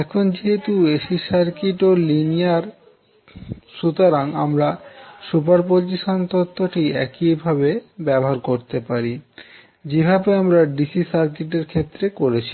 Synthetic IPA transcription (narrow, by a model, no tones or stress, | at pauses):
ɛkʰond͡ʑiɦet̪ueʃisaɾkiʈolinijaɾ | ʃut̪oɾaŋamɾasupaɾpoɾd͡ʑiʃant̪ot̪ʰːoʈiɛkibʱaβebɛboɦaɾkoɾt̪epaɾi | d͡ʑebʱabeamɾaɖisisaɾk̬iʈ̬eɾkʰet̪ːɾekoɾet͡ɕʰi̥